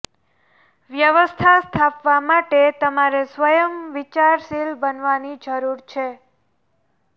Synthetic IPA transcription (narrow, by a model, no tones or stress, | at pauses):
ʋjəʋəst̪ʰast̪ʰapʋamaʈet̪əmaɾesʋəjəmʋit͡ʃaɾʃilbənʋanid͡ʒəɾuɾt͡ʃʰe